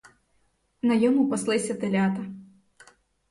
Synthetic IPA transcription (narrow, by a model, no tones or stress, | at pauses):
nɐjɔmupɔslˠɪsʲɐt̪ɪlʲat̪ɐ